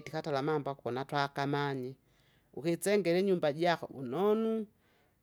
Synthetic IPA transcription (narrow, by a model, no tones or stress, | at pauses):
tikatalamambwakukɔnatwakamaɲi | ukit͡sɛŋɡɛlɛɲumbaɟakɔ̰ṵnɔnu